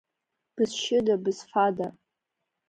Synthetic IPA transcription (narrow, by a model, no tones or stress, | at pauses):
b̥ɨzʃɪdabɨzfada